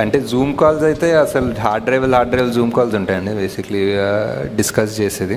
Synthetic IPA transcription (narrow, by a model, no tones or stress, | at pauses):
ɐɳʈe̞ːzuːmkaːlsɐjit̪e̞ːɐsɐluɦaːɾɖɾeːʋɐlɦaːɖɾeːʋɐlzuːmkaːlsuɳʈaːjɐɳɖibeːsikɐliɖiskɐst͡ʃeːseːd̪i